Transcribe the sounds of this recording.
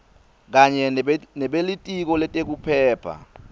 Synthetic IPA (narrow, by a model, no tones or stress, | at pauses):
k̬aɲɛnɛɓelitʼik̬ɔlɛtʼek̬upʰɛːpʰa̰